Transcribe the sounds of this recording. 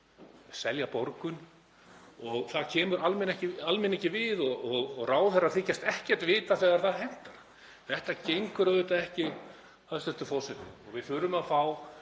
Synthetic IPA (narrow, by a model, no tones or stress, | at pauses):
sɛljapɔɾkʏn | ɔɣθaðcʰɛːmʏɾalmɛnɛhcɪalmɪnɛhcɪvɪðɔɣɔɣɣraːwθɛraθɪcːast̪ɛhcɛ̥t̪vɪːt̪aθɛːɣɛɾ̥θaðhɛn̥t̪aɾa | θɛht̪acejŋkʏɾœðʏt̪aɛhcɪ | aðst̪ɛft̪ʏfɔwsɛt̪ɪ̰ɔɣvɪðfʏːɾʏmaðfaːw